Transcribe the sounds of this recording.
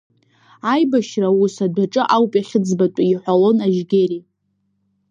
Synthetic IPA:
ajbaʃrausadʷaʈ͡ʂʼɨʔawpʼaχʲɪd͡zbatʷʼaiħʷalo̞naʒɡʲeɾi

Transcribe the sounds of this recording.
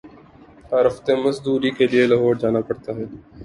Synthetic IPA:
aːɾɐft̪emɐzd̪uːɾikelɪelɐɦoːɾd͡ʒaːnapɐɽt̪aɦɛː

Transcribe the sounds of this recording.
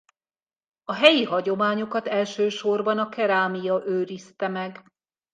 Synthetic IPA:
ɒɦɛjiɦɒɟo̞maːɲo̞kɒt̪ɛlʃøːʃo̞rbɒnɒkɛɾaːmijɒʔøːɾist̪ɛmɛɡ

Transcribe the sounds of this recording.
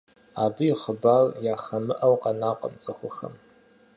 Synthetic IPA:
aːbɨiχəbarjaːxɐmɨʔɐwqanaːqʼɐ̰mt͡sʼɨxʷʊxɐ̰m

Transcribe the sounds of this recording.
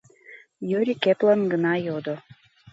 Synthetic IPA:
jøɾʲikeplɑnɡənɑjod̪o

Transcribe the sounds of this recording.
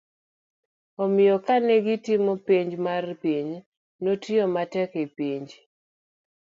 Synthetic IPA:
ɔmɪjɔkanɛɡitɪmɔpiɲd͡ʒmarpiɲ | notjɔmatɛkepiɲd͡ʒ

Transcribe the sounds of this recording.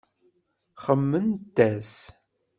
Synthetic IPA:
χəmːənt̪ːæs

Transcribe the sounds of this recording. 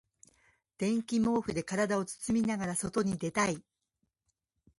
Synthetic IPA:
d̪̥ẽ̞ŋkʲimo̞ːɸɯ̟d̪e̞kaɾad̪ao̞t͡sɨ̥t͡sɨmʲinaɡaɾaso̞t̪o̞ɲ̟id̪e̞t̪ai

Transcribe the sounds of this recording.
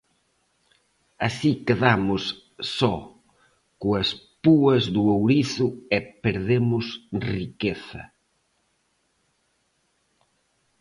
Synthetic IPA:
asikeðamʊs | sɔ | koɐspuɐzðʊowɾiθʊɛpeɾðemʊsrikeθɐ̰

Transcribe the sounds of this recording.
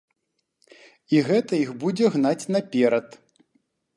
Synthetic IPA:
iɣɛt̪ɐixbud͡zʲɛɣnat͡sʲnɐpʲɛɾɐt̪

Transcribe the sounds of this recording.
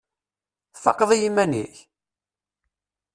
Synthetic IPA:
θɑ̰qːðˤijimːænḭç

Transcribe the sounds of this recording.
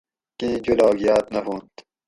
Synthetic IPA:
kĩːd͡ʑulɑːɡijaːt̪nɐfũːnt̪

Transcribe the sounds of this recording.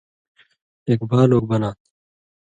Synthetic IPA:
eːkbʱaːloːɡ̚bɐnaː

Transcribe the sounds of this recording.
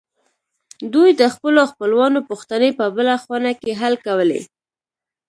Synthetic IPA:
d̪ujd̪əxpəloxpəlwɑnopuxt̪anepəbəlaxwanakeɦalkawəlḛ

